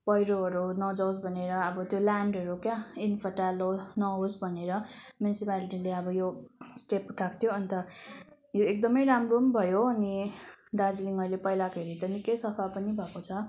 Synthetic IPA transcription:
pʌjɾoɦʌɾunʌd͡zʌws̬bʱʌneɾʌːbʌt̪jolaɳɖʌɾukjainpʰʌʈalonʌɦosbʱʌneɾʌmjunisipaliʈileʌbʌjosʈepuʈʰakt̪ʰjoʌnt̪ʌ | joek̚d̪ʌmʌjɾamrombʱʌjoʌnid̪ad͡zliŋʌjlepʌjlakʰeɾit̪ʌnikʌjsʌpʰapʌnibʱʌkot͡sʰʌ

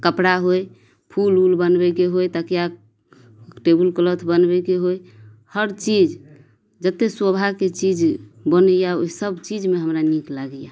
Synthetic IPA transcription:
kəpɽaɦoj | pʰululbənbɛkeɦojt̪əkja | ʈebulklət̪ʰbənbɛkeɦoj | həɾt͡ʃid͡ʒ | d͡ʒət̪ːeswobʱaket͡ʃid͡ʒbənəjaosəbt͡ʃid͡ʒmeɦəmɾaniklaɡja

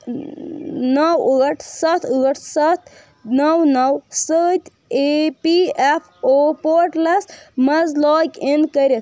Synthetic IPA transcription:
nɐwəːʈʰsɐt̪ʰəːʈʰsɐt̪ʰ | nɐwnɐwsət̪ʰ | epiepʰopoɾʈlɐsmɐzlɔːkenkəɾet̪

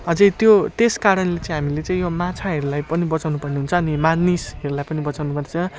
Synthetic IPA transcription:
ʌd͡zʌjt̪jot̪eskaɾʌnlet͡sãĩɦamilet͡sãĩjomat͡sʰaɦʌɾulajpʌnibʌt͡sawnupʌrneɦunt͡sʰʌːnimanisɦʌɾulajpʌnibʌt͡sawnupʌrnet͡sʰʌ̃

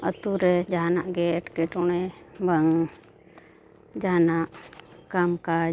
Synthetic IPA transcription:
ə̰t̪uɾɛd͡ʒaɦanaʔɡɛʈkɛʈɔɽ̃ɛbaŋ | d͡ʒaɦanaʔkamka

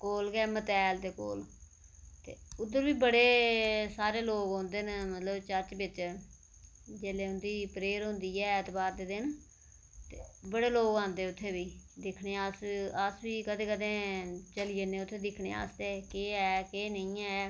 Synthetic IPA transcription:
koːlɡɛːmət̪ɛːld̪eːko̰ːl | t̪eːʊd̪ːəɾbiːbəɽeːsaːɾeːloːɡɦõːnd̪eːnmət̪ləbt͡ʃəɾt͡ʃbɪt͡ʃ | d͡ʒeːleːʊnd̪iːpɾeːɾɦʊ̃ːnd̪iːɛːət̪baːɾd̪eːd̪ɪn | t̪eːbəɽeːloːɡãːnd̪eːʊt̪ʰːeːbiːd̪ɪkʰneːasəsbiːkəd̪ẽːkəd̪ẽːt͡ʃəlieːnẽːʊt̪ʰːeːd̪ɪkʰnḛːa̰ːst̪eːkeːɛːkeːnəĩːɛː

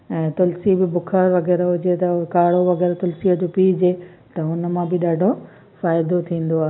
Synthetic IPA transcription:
ɛ̃ːt̪ʊlsibɪbʊkʰaɾʋɐɣɛːɾɦʊd͡ʑet̪ɐkaːɽoʋɐɣɛːɾt̪ʊlsiəd͡ʑoːpid͡ʑe | t̪ɐʊnə̆mãbɪɗaːɖʱo | faːɪd̪ot̪ʰĩːn̆d̪oaːɦ

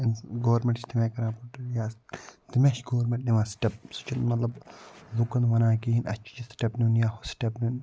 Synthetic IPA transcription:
inɡoːɐɾmeɳʈt͡ʃʰt̪imekɐɾãːpɐʈjaːst̪imeʃɡoːʋɾmeɳʈ̚niʋaːsʈɐp̚su̥t͡ʃʰinmɐt̪lɐblukɐnʋɐnaːkiɦinʔɐ̰t͡ʃʰi̥t͡ʃisʈɐpnunjaːhosʈɐpnun

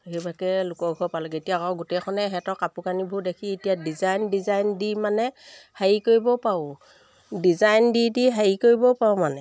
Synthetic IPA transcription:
ɦebakɛlʊkɔɡʱɔpalɔketijakawɡutɛkʰɔnɛɦɛtɔkapukanibʱudekʰiːtijadizajndizajndimanɛhajikoɹibɔpaʊ | dizajndidiɦajikoɹibɔpawmanɛ

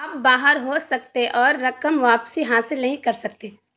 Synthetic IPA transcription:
ɐp̚baːɦəɾɦosɐkt̪eʔɔːɾːɐkəmʋaːpsiɦaːsɪlnɐɦĩkɐɾsɐk̚t̪eː

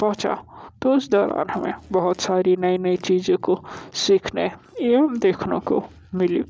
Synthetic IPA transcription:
pɔɦt͡ʃa̰t̪oɪsd̪ɔːɾa̰ːnɦəmḛ̃bɐɦʊt̪saːɾinɐinɐit͡ʃiːzẽkosikʰne | jeɦɐmd̪eːkʰnõ̰ko̰ | mɪli

